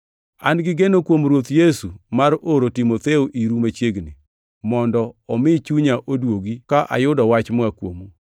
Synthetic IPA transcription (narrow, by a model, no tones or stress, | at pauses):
a̰nɡɪɡenokwomɾwot̪jesumaɾoɾotimot̪eoʔiɾumat͡ʃjeɡnɪ | mɔndɔɔmɪt͡ʃuɲaʔodwoɡikaʔa̰jʊdɔwat͡ʃmakwo̰mu